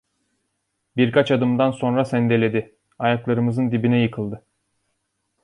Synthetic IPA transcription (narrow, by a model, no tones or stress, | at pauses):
biɾkʰat͡ʃad̪ɯmd̪anso̞nɾasɛnd̪elʲe̞d̪ɪ | ajaklˠaɾɯmɯzɯnd̪ibinɛjɯkʰɯlˠd̪ɯ